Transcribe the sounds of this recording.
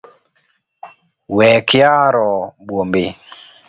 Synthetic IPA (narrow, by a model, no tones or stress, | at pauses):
wɛkɪjaɾɔbwombe